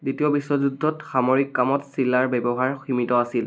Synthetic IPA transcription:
ditiɔbisːɔzudʱːɔtxamoɹikːamɔtsilːaɹbɛbɔɦaɹximitɔasil

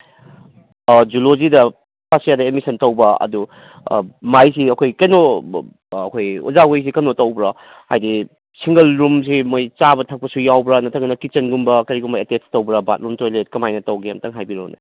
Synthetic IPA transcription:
d͡ʒulozidɐ | pasjadɐemisɐntɐwbɐɐ̰dṵ | majsiɐkʰojkɐjnoː | kʰojṵzaɡojs̬ikɐnotɐwbɾɐ | ha̰jdi | siŋɡɐlɾums̬imojt͡ʃabɐtʰɐk̚pɐsujawbɾɐnɐtʰɐŋɡɐnɐkit͡ʃɐnɡumbɐkɐɾiɡumbɐetestɐwbɾɐba̰t̚ɾumtojlet̚kɐmajnɐtɐwɡijamtɐŋɦajbiɾo̰nḛ

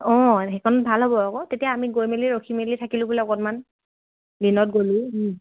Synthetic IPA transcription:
ɔɦɛkʰɔnɔbʱalɦobɔakɔtetijaːmiɡojmeliɹokʰimelitʰakilʊ̃bulɛɔkɔtman | linɔt̚ɡolʊ̃ɦ

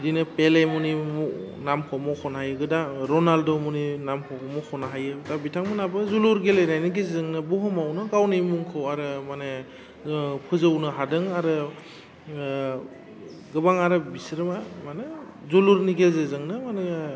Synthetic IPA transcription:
dinɯpelajmunimɔ | namkʰɔwmɔkʰɔnɦajɯɡɯdaɾɔnaldomuninamkʰɔwkʰɔmɔkʰɔnaɦajɯdabitʰaŋmɯnabɯzuluɾɡelejnajnɯɡezzɯŋnɯbɔɦɔmawnɯɡawnɯjmuŋkʰɯwaɾɯmanɯ | pʰɯzɯwnɯɦadɯŋaɾɯ | ɡɯbaŋaɾɯbisɾɯmamanɯ | zuluɾniɡezezɯŋnɯmanɯ

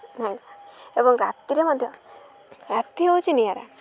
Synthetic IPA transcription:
najebɔŋɾat̪iɾemɔd̪ʱjɔ | ɾat̪ːiout͡ʃinijaɾa̰

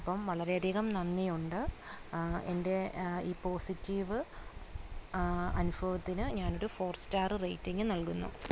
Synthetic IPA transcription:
ɐpːɐmʋɐɭɐɾe̞ɐd̪ʱiːɣɐmnɐnːijuɳɖɨ | e̞̰nde̞iːpo̞ːsitːiːʋɨ | ɐ̰nubʱɐʋɐt̪ːinɨɲaːno̞ɾufo̞ːrstaːrɨrejtːiŋɡɨnɐɭkunːṵ

